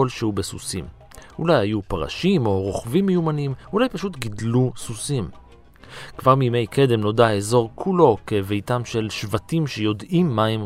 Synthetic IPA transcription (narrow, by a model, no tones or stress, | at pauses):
olʃehubesusim | ulajajupaʁa̰ʃimo̞ʁoχvimːejumanimulajpaʃutɡidlususim | kvaʁmime̞jkʰe̞de̞mno̞daezo̞ʁkʰulo̞ke̞vejtamʃe̞lʃvatimʃejo̞dimːaem